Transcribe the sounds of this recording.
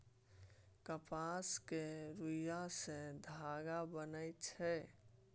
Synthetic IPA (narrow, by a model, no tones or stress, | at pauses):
kəpaskeɾujjased̪ʱaːɡabənəjt͡ʃʰɛ